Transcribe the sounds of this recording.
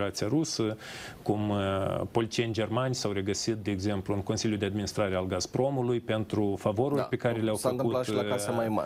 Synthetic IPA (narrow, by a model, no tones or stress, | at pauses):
ɾat̪siaɾusəkumpo̞lit͡ʃienʲd͡ʒe̞rmanʲsawɾe̞ɡəsit̪̚d̪e̞ːɡze̞mpluɨŋko̞nsilʲjud̪ead̪minist̪ɾaɾealɡaspɾo̞mulujpe̞nt̪ɾufavo̞ɾurpe̞kaɾe̞leawfənt̪ulaʃlaasəmajma̰